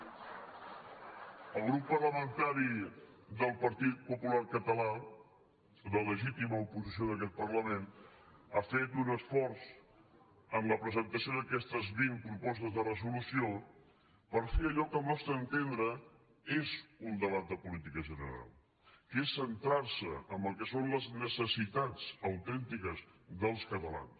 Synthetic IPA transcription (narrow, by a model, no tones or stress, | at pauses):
əlˠɣɾupːərləmənt̪aɾid̪əlˠpəɾt̪it̪̚pupulaɾkət̪əla | ðələʒit̪iməupuzisioð̞əkɛt̪̚pərləmenafet̪unəsfɔɾz | əmləpɾəzənt̪əsijoðəkɛst̪əzβiŋpɾupɔst̪əzðərəzulusio | pəɾfeəʎɔkəmɔst̪ənt̪end̪ɾə | ezund̪əβat̪̚d̪əpulit̪ikəʒənə̰ɾa̰lˠ | kesːənt̪ɾaɾsəəmbəlˠkɛsonləznəsəsit̪ad͡zəwt̪ɛnt̪ikəzðəlˠskət̪əla̰ns